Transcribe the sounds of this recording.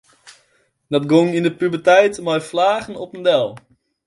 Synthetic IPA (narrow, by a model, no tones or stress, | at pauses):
dɔtɡoŋindəpybətɛjtmɔjflaːɣən̩ɔpəndɛlˠ